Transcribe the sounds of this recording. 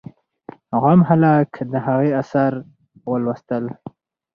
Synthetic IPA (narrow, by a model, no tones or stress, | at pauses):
ɣamhalɑkd̪əɦaɣeasaɾ | wəlwəst̪əl